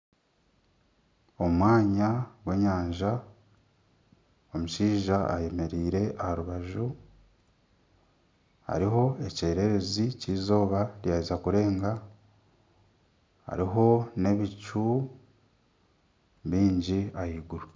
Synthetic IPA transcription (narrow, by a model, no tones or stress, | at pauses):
omwaːɲaɡwe̞ɲaːɲʒa | omuʃiːʒa̰ːje̞me̞ɾiːɾe̞ʔahaɾuβaʒu | a̰ɾiɦo̞e̞ce̞ːɾe̞ɾe̞ziciːzo̞ːβaɾjaːizakuɾe̞ːŋɡa | a̰ɾiɦo̞ne̞βit͡ʃu | βiːɲɟiajiɡuɾu